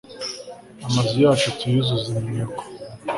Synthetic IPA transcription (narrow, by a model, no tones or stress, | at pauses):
amazijaːt͡ʃutʰizuzimieko̥